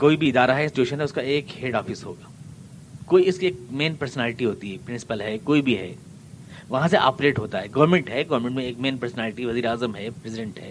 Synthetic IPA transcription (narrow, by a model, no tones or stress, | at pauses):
koːibʱiɪd̪aːɾaɦɛɪ̃nsɪ̥t͡ʃuːʃənɦɛʊskaeːkheːɖɔːfɪsɦo̰ːɡaː | koːiɪskieːk̚meːnpɐɾsənaːlɪʈiɦoːt̪iɦɛpɾɪ̃nsɪ̥pəlɦɛkoːibʱiɦɛ̰ː | ʋɐɦãseʔa̰ːpɾeːʈɦoːt̪aɦɛɡɐːɾmẽɳʈɦɛɡɐʋɾmẽɳʈmẽeːkmeːnpɐɾsənɛːlɪʈiʋɐziːɾeaːzəmɦɛpɾɛsɪɖẽɳʈɦɛː